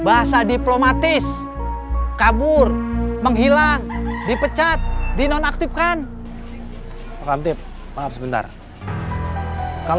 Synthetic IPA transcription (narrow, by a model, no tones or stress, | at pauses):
baɦasadiplomat̪ɪs | kabʊrməŋɦilaŋdipət͡ʃat̪̚dinɔnak̚t̪ɪp̚kan | pakamt̪ɪp̚ | maap̚səbənt̪a̰r | ka